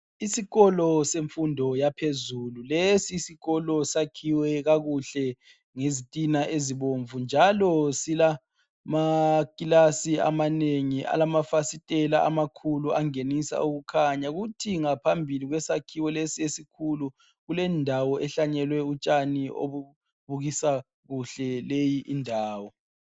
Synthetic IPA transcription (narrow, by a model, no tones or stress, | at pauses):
isiɣɔlɔseɱfundʱɔjapʰezululesiːsiɣɔlɔsakʰiwɛɣaɣuɬɛ | ŋezitʼinaʔeziβoɱvund͡ʒʱalɔsila | makʼilasia̰maneŋiʔa̰lamafasitʼɛla̰ʔa̰makʰuluaŋenisa̰uɣukʰaɲaɣutʰiŋapʰambʱiliɣwɛsakʰiwɛlesiesikʰulu | ɣulɛndʱawɔʔɛɬaɲɛlwɛut͡ʃʼanio̰βu | βuɣisa | ɣuɬɛlejiʔindʱaːwɔ